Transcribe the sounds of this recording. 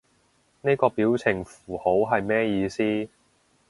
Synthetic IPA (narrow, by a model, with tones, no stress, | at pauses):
ne˥kɔː˧piː˨˥wt͡sʰɪ˨˩ŋfuː˨˩ho˨˥wɦɐ˨jmɛː˥jiː˧siː˥